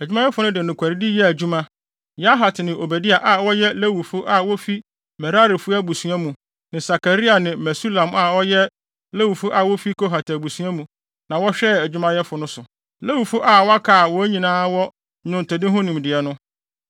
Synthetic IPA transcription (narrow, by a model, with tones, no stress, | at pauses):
æ˨d͡ʑᶣu˦mã˦jɛ˦fʊ˦nʊ̃˦dɪ˨nʊ̃˨kʷʰa˨ɾi˦dɪ˦jɛ˦æ˨d͡ʑu˦mã˦ | ja˦ɦa˨tʰnɪ̃˨o˨bæ˨dɪ˦a˨ʔa˨wɔ˦jɛ˦le˦wu˨fʊ˦ʔa˨wɔ˦fi˦ | mɛ˨ɾa˦ɾi˨fʊ˦a˦bu˨su˨˦ã˦mũ˨ | nɪ̃˨sa˨ka˨ɾi˦a˨nɪ̃˨mɛ˨su˦lã˨ma˨wɔ˦jɛ˦ | le˦wu˨fʊ˦ʔa˨wɔ˦fi˦kʰo˦ɦa˨tʰæ˨bu˨su˦ã˦mũ˨ | nã˨wɔ˦ɕᶣɛ˦æ˨d͡ʑᶣu˦mã˦jɛ˦fʊ˨nʊ̃˦sʊ˨ | le˦wu˨fʊ˦ʔa˦˨wɔ˦a˦kʰaː˨wɔ˦æ˦ɲĩ˨nãː˦wɔ˦ | nʊ̃˨n˨tɛ˨dɪ̃˦ɦʊ̃˦nĩ˨mdɪ˨ɛ˨nʊ̃˦